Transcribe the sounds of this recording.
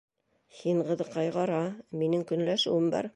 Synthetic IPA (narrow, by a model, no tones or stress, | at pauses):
hiɴɢɤ̆ðɤqːɑjʁɑɾɑminɘŋkɵ̆nlæʃɘ̰wɘmbɑ̰ɾ